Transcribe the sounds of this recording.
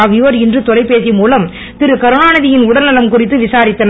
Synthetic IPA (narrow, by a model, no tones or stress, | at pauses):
aʋɪʋɐɾɪndrɯt̪ɔlɐɪpːeːsɪmuːlɐm | t̪ɪɾɯkɐɾɯnaːnɐðɪjɪnʊɽɐlnɐlɐmkʊrɪt̪ːɯʋɪsaːɾɪt̪ːɐn